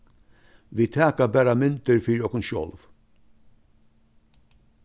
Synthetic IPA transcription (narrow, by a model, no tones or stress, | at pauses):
ʋiːt̪ʰæːkɑbæɾamʏnt̪əɾfyɾɔkənʃɔ̰lʋ